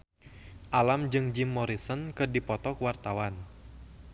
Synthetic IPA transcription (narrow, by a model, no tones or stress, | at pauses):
ʔalamd͡ʒɨŋd͡ʒimːɔɾisɔnkɨrdipɔt̪ɔkwart̪awan